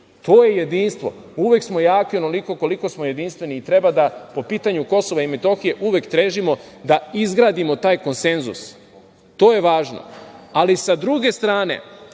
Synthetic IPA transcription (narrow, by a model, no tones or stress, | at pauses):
t̪o̞ːjeje̞d̪iːnst̪ʋo̞̰ | uʋe̞ksmo̞jaːkiono̞liko̞ko̞liko̞smoje̞d̪inst̪ʋe̞niːt̪ɾe̞bad̪apo̞piːt̪aɲuko̞so̞ʋaimet̪o̞xije̞ʔuʋekt̪ɾeːʒimo | d̪aizɡɾaːd̪imo̞t̪aːjko̞nse̞nzṵs | t̪o̞ːje̞ʋaːʒno̞̰alisad̪ɾuɡe̞st̪ɾaːne̞̰